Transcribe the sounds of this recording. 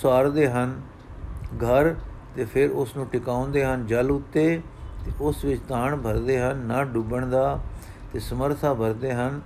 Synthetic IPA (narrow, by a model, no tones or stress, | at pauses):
saːɾd̪eːɦən | ɡʱəɾt̪eːpʰɪɾʊsnũːʈɪkãːõːnd̪eːɦənd͡ʒəlʊt̪ːeːt̪eːʔʊsʋɪt͡ʃt̪ãːɳbʱəɾd̪eːɦənːaːɖʊbəɳd̪aː | t̪eːsəməɾt̪ʰaːbʱəɾd̪eːɦən